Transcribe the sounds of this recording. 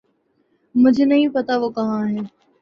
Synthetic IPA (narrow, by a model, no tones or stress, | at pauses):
mʊ̃d͡ʑʱenɐɦĩpɐt̪aʋokɐʋãːɦen